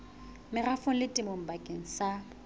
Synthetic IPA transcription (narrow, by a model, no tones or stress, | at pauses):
mɪrafʊŋ̩lɪtʼɪmom̩bakʼeŋ̩sa